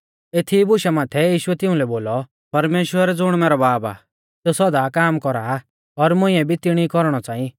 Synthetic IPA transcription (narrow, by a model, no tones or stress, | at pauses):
et̪ʰibʊʃamaːt̪ʰɛjiːʃʊɛt̪ɪũlɛboːlɔ | pɐɾmeːʃwəɾɛd͡zʊɽ̃mɛːɾɔbaːba̰ː | sɛsɔd̪akaːmkɔɾaː | ɔɾmʊ̃ɪ̃ɛ̃bʱit̪ɪɽ̃ikɔɾɽ̃ɔt͡saːĩ